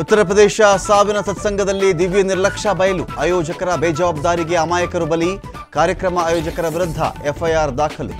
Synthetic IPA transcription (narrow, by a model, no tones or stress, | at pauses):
ut̪ːɐɾɐpɾɐd̪eːʃɐsaːʋinɐt̪ɐt̪sɐŋɡʱɐd̪ɐlːid̪iʋjɐniɾlɐkʂɐbɐjɐluaːjoːd͡ʒɐkɐɾɐbeːd͡ʒɐʋaːb̚d̪aːɾiɡeɐmaːjɐkɐɾubɐli | kaːɾjɐkɾɐmɐaːjoːd͡ʒɐkɐɾɐʋiɾud̪ʱːɐ̰efʰɐjaːɾd̪aːkʰɐlṵ